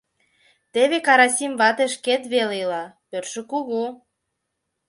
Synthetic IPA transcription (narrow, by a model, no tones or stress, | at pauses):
t̪eβekɑɾɑsʲimβɑt̪eʃket̪βelelɑpørʃə̆kuɣuo